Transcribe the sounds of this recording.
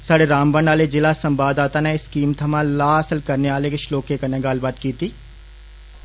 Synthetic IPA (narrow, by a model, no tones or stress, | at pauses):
saɽeɾaːmbənaːled͡ʒɪlasɐ̃mbaːd̪aːt̪aneɪskiːmt̪ʰɐmãlaːɐsəlkɐɾneʋaːlekeʃloːkekɐneɡaːlbaːd̪kiːt̪iː